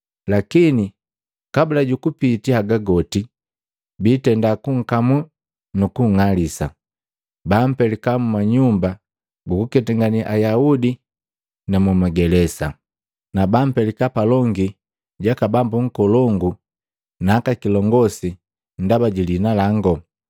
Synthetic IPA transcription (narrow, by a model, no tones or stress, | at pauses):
lakini | kabulaɟukupitiaɡaɡɔti | bitɛndakuŋ̩kamu | nukuŋalisa | bam̩pɛlikamumaɲumba | ɡukukɛtɛŋɡaniʔajaudi | namumaɡɛlɛsa̰ | nabam̩pɛlikapalɔŋɡi | ɟakabambuŋ̩kɔlɔŋɡu | naːkakilɔŋɡɔsi | n̩dabaɟilinalaŋɡɔ